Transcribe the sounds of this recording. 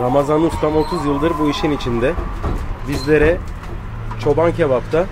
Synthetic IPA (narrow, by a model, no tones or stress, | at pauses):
ɾamazanust̪ʰamo̞t̪ʰuzjɯlˠd̪ɯɾbuiʃinit͡ʃʰind̪ɛ | bizlʲe̞ɾɛ | t͡ʃʰo̞bancʰebapt̪ʰa